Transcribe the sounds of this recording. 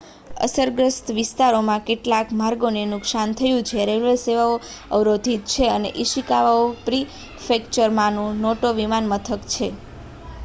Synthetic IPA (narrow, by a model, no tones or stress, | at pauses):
ə̰səɾɡɾəst̪ʋɪst̪aɾomãkeʈlakmaɾɡonenʊksant̪ʰəjũt͡ʃʰeɾeʋʋəseʋaoəʋɾod̪ʱit̪̚t͡ʃʰeənḛʔiʃikaʋaopɾi | fekt͡ʃəɾmãnũnoʈoʋimanmət̪ʰəkt͡ʃʰe